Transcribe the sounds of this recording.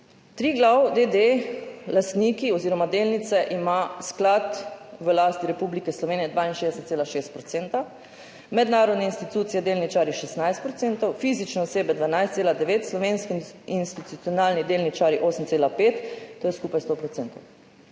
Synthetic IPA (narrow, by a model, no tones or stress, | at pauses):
t̪ɾiːɡlawd̪ed̪elast̪niːkiɔziːɾɔmad̪eːlnit̪sɛʔimasklat̪ʋəlaːst̪iɾɛpublikɛslɔʋeːnijɛd̪ʋainʃeːd̪ɛsɛt̪seːlaʃest̪̚pɾɔt̪sent̪a | mɛd̪naːɾɔd̪nɛinst̪it̪uːt̪sijɛd̪eːlnit͡ʃaːɾjiʃɛsnajst̪̚pɾɔt̪ent̪ɔwfiːzit͡ʃnɛɔseːbɛd̪ʋanajst̪seːlad̪ɛʋeːt̪slɔʋenskiinst̪it̪ut̪sijɔnaːlnid̪elnit͡ʃaːɾjiʔoːsəmt̪seːlapeːt̪ːoːjɛskupajst̪opɾɔt̪sent̪ow